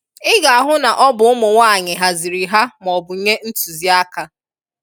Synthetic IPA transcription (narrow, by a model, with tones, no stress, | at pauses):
ɪ˦ɡa˨a˨ɦʊ˦na˨ʔɔ˦bʊ˨ʊ˦mʊ˨ŋʷaː˦˨ɲɪ˨ɦa˨zi˨ɾi˨ɦa˦m˨ɔ˨bʊ˨˦ɲe˦n̩˦tu˨zi˨˦a˦ka˨